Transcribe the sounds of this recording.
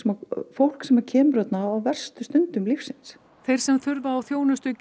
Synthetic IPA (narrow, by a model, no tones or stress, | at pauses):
sɛmafowl̥ksɛmaɾcʰɛːmɾœt̪naːwvɛr̥st̪ʏst̪ʏnt̪ʏmlifsɪns | θejr̥sɛmθʏɾvaːwθjoːwnʏst̪ʏc